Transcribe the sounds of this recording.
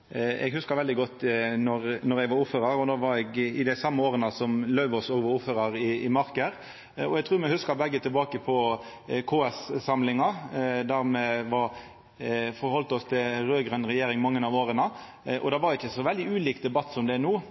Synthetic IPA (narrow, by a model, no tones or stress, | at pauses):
ɛ̰ɡhʉskɑɾʋɛld̪ɪɡɔt̪ːnɔɾnɔɾɛɡʋɑɾʊfːəɾɑɾɔd̪oːʋɑɾɛɡɪd̪ɛsɑmːəoːɾənəsɔmlœʉʋɔsoːɡʋɑʊfəɾɑɾɪɪmɑɾkəɾ | ɔɛɡt̪ʰʁʉːɾmɛhʉskɑɾbɛɡːət̪ʰɪlbɑːkəpʰɔ | kʰoːɛssɑmlɪŋɑd̪æɾmɛʋɑɾ | fɔɾhɔlt̪ɔst̪ʰɪlɾøːɡɾnɾɛjeːɾɪŋmɑŋːənɑʋoːɾənə | ʔɔ̰d̪ɑʋɑɾʊɪçːəsɔʋɛld̪ɪʉːliːkd̪ɛbɑt̪ːsɔmd̪ɛænuː